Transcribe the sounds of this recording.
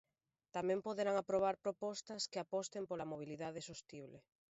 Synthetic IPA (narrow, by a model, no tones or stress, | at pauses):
t̪amɛ̃mpoðeɾaŋapɾoβ̞aɾpɾopɔst̪ɐskɪapɔst̪empolamoβ̞iliðaðesost̪iβle